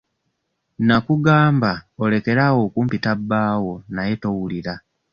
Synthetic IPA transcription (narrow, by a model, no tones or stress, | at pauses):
nakuɡaːmbaole̞ke̞ɾawo̞ːkuːmpitabːaːwo̞naje̞to̞wuliɾa